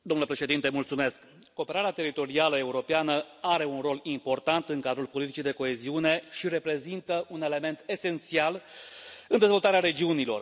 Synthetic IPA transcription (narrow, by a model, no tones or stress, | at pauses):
d̪omnuləpɾe̞ʃe̞d̪int̪e̞mult̪sume̞skː | o̞ːpe̞ɾaɾeat̪e̞ɾit̪o̞ɾialəe̞uɾo̞peanə | aɾe̞unro̞limpo̞rt̪ant̪ɨŋkad̪ɾulpo̞lit̪it͡ʃid̪e̞ko̞eziune̞ʃiɾe̞pɾe̞zint̪əune̞le̞me̞nt̪e̞se̞nt̪sial | ɨnd̪e̞zvo̞lt̪aɾeaɾe̞d͡ʒiunilo̞̰r